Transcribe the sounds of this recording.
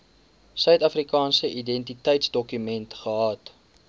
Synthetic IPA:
sœɥtɐfrikɑːnsəʔidɛntitəjtsdɔkymɛntχəɦɑːt

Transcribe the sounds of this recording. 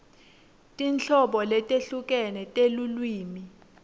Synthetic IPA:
tʼinɬʰɔɓɔlɛtʼeɬuk̬ʼɛnɛtʼelulwiːmi

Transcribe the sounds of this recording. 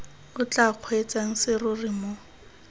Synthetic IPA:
ʊt͡ɬʼaq͡χʰwet͡saŋ̩sɪrʊrimo

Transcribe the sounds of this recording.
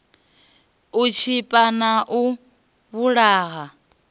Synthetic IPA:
ut͡ʃʰipʼanaʔu | βuɺaːɣa

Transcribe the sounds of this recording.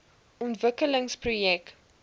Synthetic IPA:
ɔntvəkələŋsprujɛk

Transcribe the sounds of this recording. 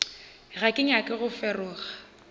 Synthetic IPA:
rakʼɪŋ̩jakʼɪɣʊfɛrʊːɣa

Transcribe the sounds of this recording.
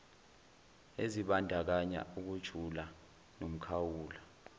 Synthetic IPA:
eziɓandʱak̬aɲa̰uk̬ud̥ʒ̥ʱula | nom̩kʰawuːla

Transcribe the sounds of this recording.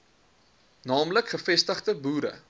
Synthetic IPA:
nɑːmləkχəfɛstəχtəbuːɾə̰

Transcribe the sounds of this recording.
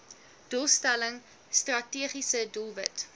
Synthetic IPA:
d̥ulˠstæləŋ | strɐtiəχisədulˠvət

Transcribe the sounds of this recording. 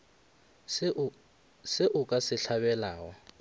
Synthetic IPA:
sɪʔʊkʼasɪɬabɛlaːɔ

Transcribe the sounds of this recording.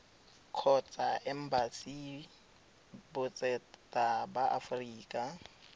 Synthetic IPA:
kʰɔt͡sʼaʔɛm̩basi | bʊt͡sʼɛtʼabaʔa̰friːkʼa

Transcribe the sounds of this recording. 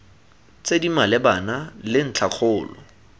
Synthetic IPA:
t͡sedimalɪbanalɪn̩t͡ɬʰaq͡χʰʊːlɔ̰

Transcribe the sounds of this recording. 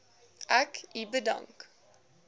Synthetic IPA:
ʔækibəda̰ŋk

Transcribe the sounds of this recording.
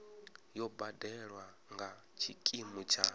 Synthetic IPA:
jɔbadɛɺwa | ŋɡa | t͡ʃʰikʼimut͡ʃʰa

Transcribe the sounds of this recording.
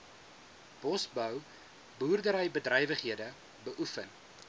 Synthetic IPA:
b̥ɔsbəw | buːrdəɾəjbədrɛjvəχɦiədə | bəʔufən

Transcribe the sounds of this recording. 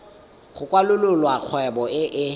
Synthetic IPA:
χʊkʼwalʊlʊlwak͡xʰwɛbɔɪʔɪ

